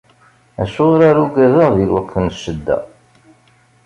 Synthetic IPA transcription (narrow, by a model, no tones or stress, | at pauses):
æʃʊʁɾaɾuɡæðəʁðilwækʰːənʃəd̪ːæ̰